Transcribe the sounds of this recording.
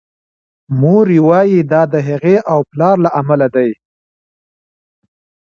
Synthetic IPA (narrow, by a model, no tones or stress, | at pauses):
moɾiwɑjid̪ɑd̪əɦaɣeʔawplɑɾlaʔamalad̪aj